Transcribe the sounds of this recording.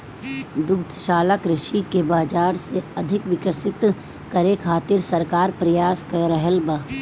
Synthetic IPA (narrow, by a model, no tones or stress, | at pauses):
d̪ʊkt̪ʰʃaːlakɾɪʃikebaːd͡ʒaːɾseɐd̪ʱɪkʋɪkəsɪt̪ | kɐɾekʰaːt̪ɪɾsɐɾkaːɾpɾɐjaːskəɾəɦəlbaː